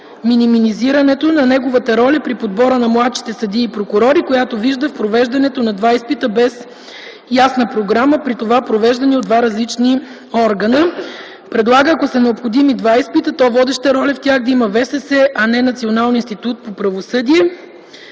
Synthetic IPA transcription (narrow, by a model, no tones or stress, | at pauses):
miniminiziɾɐnɛt̪onɐnɛɡovət̪ɐɾɔlʲɛpɾipod̪bɔɾənɐmlˠat̪ʃi̥t̪ɛsɐd̪iːpɾokuɾɔɾikojat̪oviʒd̪əfpɾovɛʒd̪ɐnɛt̪onɐd̪vaispit̪əbɛs | jasnəpɾoɡɾaməpɾit̪ovapɾovɛʒd̪ɐniod̪vaɾɐzlit͡ʃni | ɔɾɡənə | pɾɛd̪lˠaɡəːkosɛnɛopxod̪imid̪vaispit̪ət̪ɔvɔd̪ɛʃt̪əɾɔlʲɛft̪ʲaxd̪ɐimɐvɛsɛsɛʔɐnɛnɐt̪sionalˠninst̪it̪ut̪̚popɾɐvosɤd̪iɛ